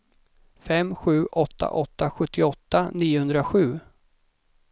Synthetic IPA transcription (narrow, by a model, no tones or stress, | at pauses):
fɛmːɧʉ̟ːʔɔt̪ʰːa̰ʔɔt̪ːaɧɵt̪ʰːɪɔt̪ːaniːʊhɵnd̪ɾaɧʉ̟ː